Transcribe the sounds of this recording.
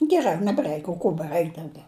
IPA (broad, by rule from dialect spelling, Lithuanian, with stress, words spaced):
ɡʲɛˈrɐ nʲɛbˈrɐɪk oː ˈkoː bʲɛˈrɐɪk dɐʊˈɡʲɛʊ